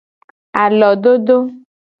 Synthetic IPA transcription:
a˨lɔ˨ɖo˦ɖ̪o˦

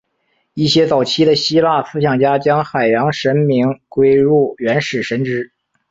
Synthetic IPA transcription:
i˥˩ɕjɛ˥t͡sɑ˨˩ʊt͡ɕʰi˥d̪ə˨ɕi˥la˥˩sɹ̩˥ɕjɑ˨˩ŋt͡ɕja˥t͡ɕjɑ˥ŋxa˨˩ɪjɑ˧˥ŋʂə˧˥nmi˧˥ŋkwe˥ɪɻu˥˩ɥɛ˧˥nʂɻ̩˨˩ʂə˧˥nʈ͡ʂɻ̩˥

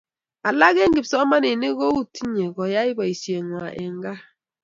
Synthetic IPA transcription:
a˨la˦ɣe˦ŋ̩˦ɡi˨psɔ˦ma˦ne˨ne˦ɣo˦u˨ti˦ɲe˨ɡɔ˨ja˦i˦bɔ˨i˨sje˨ŋwa˨ʔɛ̰˨ŋ˦ɡa˦

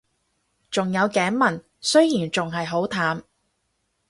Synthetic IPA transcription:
t͡sʊ˨ŋjɐ˨˧wkɛː˨˥nmɐ˨˩n | sɵ˥ɥjiː˨˩nt͡sʊ˨ŋɦɐ˨jɦo˨˥wt̪ʰaː˨˥m

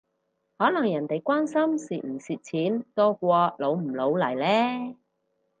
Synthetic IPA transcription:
hɔː˨˥lɐ˨˩ŋjɐ˨˩nt̪e˨jkʷwaː˥nsɐ˥msiː˨m̩˨˩siː˨˩t̚t͡sʰiː˨˥nt̪ɔː˥kʷɔː˧lo˨˧wm̩˨˩lo˨˧wlɐ˨˩jlɛː˥

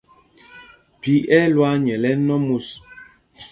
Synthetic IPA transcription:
pi˨˦ʔɛ˦lwa˦ɲɛ˨lɛ˦nɔ˦mu˨s

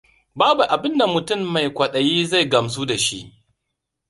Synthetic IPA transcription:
baː˦bu˨ʔa˨bɪ˦nda˨mʊ˨tʊ˦˨mːa˨jkʷɐ˨ɗɐ˨jiː˦za˦jɡɐ˨ms̬uː˦da˨ʃḭ˦ʔ

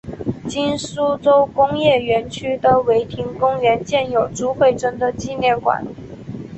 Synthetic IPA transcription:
t͡ɕi˥nsu˥ʈ͡ʂo˥ʊkʊ˥ŋjɛ˥˩ɥɛ˧˥nt͡ɕʰy˥d̪ə˨we˧˥ɪt̪ʰi˧˥ŋkʊ˥ŋɥɛ˧˥nt͡ɕjɛ˥˩njo˨˩ʊʈ͡ʂu˥xwe˥˩ɪʈ͡ʂɤ˥nd̪ə˨t͡ɕi˥˧ljɛ˥˩nkwa̰˨˩˦n

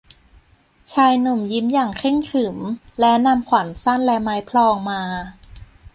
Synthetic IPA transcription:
t͡ɕʰaː˧jnu˨˩mji˦˥mjaː˨˩ŋkʰe˥˩ŋkʰɯ˨˩˦mlɛ˦˥wna˧mkʰwa˨˩˦nsa˥˩nlɛ˧˥maː˦˥jpʰlɔː˧ŋmaː˧

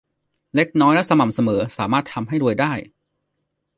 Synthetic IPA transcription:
le˦˥k̚nɔː˦˥jlɛ˦˥sa˧ma˨˩msa˧mɤː˩˦saː˩˦maː˥˩t̪ʰːa˧mɦa˥˩jɾu˧əjdaː˥˩j

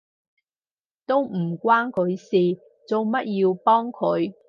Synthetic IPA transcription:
t̪o˥wm̩˨˩kʷwaː˥nkʰɵ˨˧ɥsiː˨ | t͡so˨˧wmɐ˦˥t̚jiː˧wpɔː˥ŋkʰɵ˨˧˥ɥ

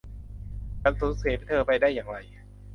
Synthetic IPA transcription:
ka˧nso˨˦n̚seː˨˦pt̪ʰɤː˧pa˧jdaː˥˩jːaː˨˩ŋɾa˧j

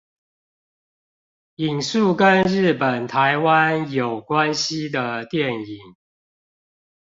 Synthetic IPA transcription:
i˨˩ŋsu˥˨kə˦nɻɻ̩˥˩pə˨˩nt̪ʰa˨˦ɪwa˦njo˨˩ʊkwa˦nɕi˦d̪ə˨t̪jɛ˥˨ni˨˩˦ŋ

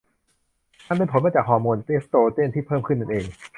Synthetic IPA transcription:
t̪ʰa˥˩˨pe˧npʰo˨˦nmaː˧t͡ɕaː˨˩k̚hɔː˧muː˧nt̪e˦˥st̪oː˧t͡ɕ̪e˥˨nt̪ʰiː˥˩pʰɤː˥˩mkʰɯ˥˩nːa˧nʔeː˧ŋ

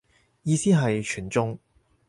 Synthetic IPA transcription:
jiː˧siː˥ɦɐ˨jt͡ʃʰyː˨˩nt͡sʊ˥ŋ

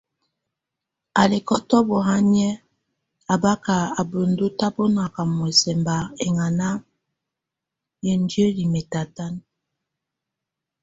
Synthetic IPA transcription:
a˨le˨kɔ˦tɔ˦bɔ˨ɦa˦ɲɛ˦ | a˨ba˦ka˨a˨bo˨ndo˦ta˦bo˦na˨ka˨mɔ˨ɛ˨sɛ˨mba˨e˨ŋa˨na˦ | je˨n˦dje˦li˨me˨ta˨ta˦n

